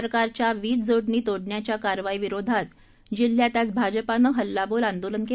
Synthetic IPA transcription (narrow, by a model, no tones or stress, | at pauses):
ɾkaɾt͡ɕjaʋiːt͡sd͡zoɽɳiːt̪oɽɳjat͡ɕjakaɾʋaiːʋiɾod̪ʱat̪ | d͡ʑil̤ːjat̪jat͡sbʱad͡ʑəpanəɦəlːaboːlãnd̪olənke